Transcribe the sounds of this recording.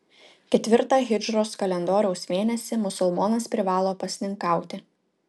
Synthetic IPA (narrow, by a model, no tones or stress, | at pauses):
kʲɛt̪ʲʋʲɪɾt̪ɑːɣʲɪd͡ʒɾoːskɐlʲɛnd̪oːɾʲɛʊsmʲeːnʲɛsʲɪmʊsʊlˠmɔnɐspʲɾʲɪʋɑːlˠoːpɐsʲnʲɪŋkɑˑʊt̪ʲɪ